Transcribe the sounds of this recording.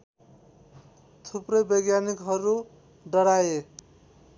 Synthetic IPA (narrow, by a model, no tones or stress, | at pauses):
t̪ʰuprʌjbʌjɡjanikɦʌɾu | ɖʌɽaje